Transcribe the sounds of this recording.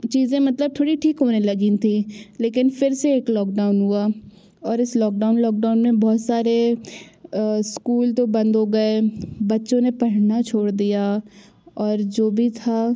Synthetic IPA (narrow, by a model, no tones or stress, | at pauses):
t͡ʃiːzẽmɐt̪ləb̚t̪ʰoːɽiʈʰiːkɦoːnelɐɡĩt̪ʰileːkɪnfɪɾseeːklɔːk̚ɖaːʊnɦua | ɔːɾɪslɔːk̚ɖaːʊnlɔːk̚ɖaːʊnmẽbɔːt̪saːɾe | skuːlt̪obɐ̃nd̪ɦoɡɐebɐtːʃõnepɐɽɽnat͡ʃʰoːɽd̪ija | ɔːɾd͡ʒoːbʱit̪ʰa